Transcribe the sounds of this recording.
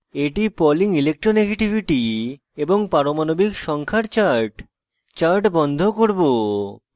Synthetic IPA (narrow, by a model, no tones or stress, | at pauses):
eʈipɔliŋilek̚ʈɾoneɡeʈibʱiʈi | eboŋpaɾomanobikʃɔŋkʰaɾt͡ɕaɾʈ | t͡ɕaɾʈbɔnd̪ʱokoɾbo